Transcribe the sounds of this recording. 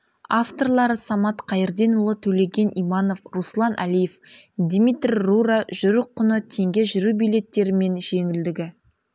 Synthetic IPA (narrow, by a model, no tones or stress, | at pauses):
aft̪o̞rlˠɑɾəsɑmɑt̪qʰɑjəɾd̪e̞nʊlˠət̪ʰɵle̞ɡʲe̞nʔijmɑno̞fruslˠɑnʔæ̰lije̞fd̪mit̪rʲːuɾaʒʊɾəqʰːʊnət̪ʰe̞ŋɡʲe̞ʒʏɾubijlʲe̞t̪ːe̞ɾɪme̞nʒe̞ŋɪld̪ɪɡʲɪ